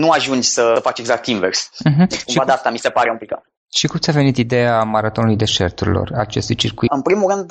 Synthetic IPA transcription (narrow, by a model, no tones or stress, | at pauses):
nuaʒund͡ʒʲsəəfat͡ʃeɡzak̚t̪inversm̩ɦ̩kumʃivad̪ast̪amise̞paɾeũmpika | ʃikumt̪sʲave̞nit̪id̪e̞amaɾat̪o̞nulujd̪e̞ʃe̞rt̪uɾḭlo̞̰rat͡ʃe̞st̪ujt͡ʃirkuɨnpɾimulɾɨnd̪